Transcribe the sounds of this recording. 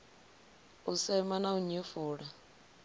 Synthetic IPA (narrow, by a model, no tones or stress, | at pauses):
usɛmanauɲufuːɺa